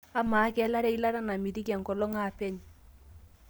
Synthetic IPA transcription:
a˦ma˨˦kɛ˦la˦ɾɛ˦i˦la˦ɾa˦na˨mi˨di˦ka˨ŋ˨kɔ˨lɔ˦ŋa˨pɛ˦ɲ

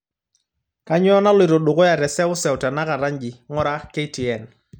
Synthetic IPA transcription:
ka˦ɲ˦ɔ˦na˦lwɪ˨ɾo˨ɗʊ˨kɔ˦ja˨ɾɛ˨sɛ˦ʊ˦sɛ˨wta˨na˦ka˨ɾa˦ɲd͡ʒi˨ŋɔ˦ɾa˦ke˦ti˨ɛ˨n

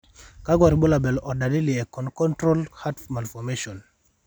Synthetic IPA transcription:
ka˦ɡwa˨ɾi˨bo˦la˨bɛ˨lɔ˨da˨di˦li˨ɛ˨kɔ˨nkɔ˦ntɾo˦lha˦tfma˨lfɔ˨meʃɔ˨n

